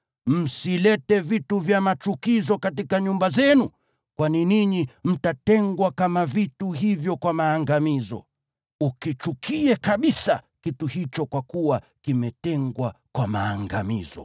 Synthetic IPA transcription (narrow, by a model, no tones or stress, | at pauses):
m̩silɛtɛvituvjamat͡ʃukizɔkatikaɲumbazɛnu | kwaniniɲim̩tatɛŋɡwakamavituɦivjɔkwamaːŋɡamizɔ̰ | ukit͡ʃukiɛkaɓisakituhit͡ʃɔkwakuwa | kimɛtɛŋɡwakwamaːŋɡamḭzɔ̰